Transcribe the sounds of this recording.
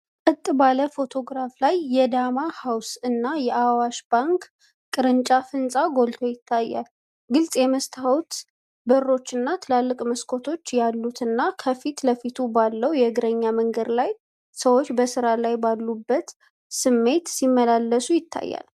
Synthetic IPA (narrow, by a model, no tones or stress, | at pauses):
kʼɨt̪ʼːbaləfo̞t̪ʰo̞ɡɾaflajːɛd̪amahawsɨnːajɛʔawaʃb̥aŋk | kʼɨɾɨnt͡ʃʼafɨnsʼaɡo̞lt̪ʰo̞jɪt̪ʰːajːa̰l | ɡɨlsʼjɛməst̪ʰawut̪ | bərːo̞t͡ʃːɨnːat̪ʰɨlalːɨkʼməskʰo̞t̪ʰo̞t͡ʃːjalːut̪ɨnːakʰəfit̪ləfit̪ʰubalːəwjɛɡɨɾəɲːaməŋɡəd̪laj | səwo̞t͡ʃːbəsɨɾalajbalːubːət̪ | sɨmːe̞t̪simːəlalːəsujɪt̪ʰːa̰jːa̰l